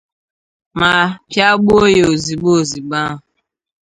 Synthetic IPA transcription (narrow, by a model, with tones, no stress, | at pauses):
ma˨pja˦ɡ͡bu˦o˦je˨o˨zi˨ɡ͡bo˦˨zi˨ɡ͡ba˦ɦʊ˨